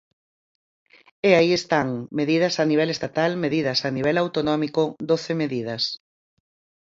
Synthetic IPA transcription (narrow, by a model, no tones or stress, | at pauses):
eaiest̪aŋmeðið̞ɐsaniβ̞ɛlest̪at̪almeðiðɐsaniβ̞ɛlawt̪onɔmikod̪oθemeðið̞ɐs